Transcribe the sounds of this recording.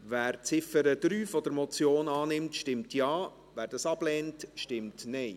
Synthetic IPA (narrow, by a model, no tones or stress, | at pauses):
ʋæːɾt͡sɪfəɾəd̪̥ɾyːfɔd̪əɾmɔt͡sjoːnɑːnɪmtʃtɪmtjɑː | ʋæːɾdɑsɑblɛːntʃtɪmtnɛɪ